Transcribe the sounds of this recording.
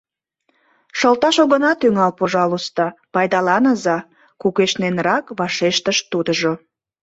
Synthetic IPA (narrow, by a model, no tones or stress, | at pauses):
ʃəlt̪ɑʃoɣənɑt̪yŋɑlpoʒɑlust̪ɑpɑjd̪ɑlɑnəzɑ | kukeʃnenrɑkβɑʃeʃt̪əʃt̪ud̪əʒo